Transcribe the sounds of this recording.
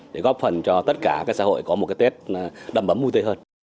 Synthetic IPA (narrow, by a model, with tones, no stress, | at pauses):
ɗe˧˩ɣɔ˦˥p̚fə˨˩nt͡ɕɔ˧t̪ə˦˥t̚kaː˧˩kaː˦˥k̚sa̰ː˧ho̰˧˨jkɔ˨˦mo˨˩t̚a˨˦t̪e˦˥t̚ɗə˨˧˩mʔə˨˦mːu˧t̪ə˧˦həː˧n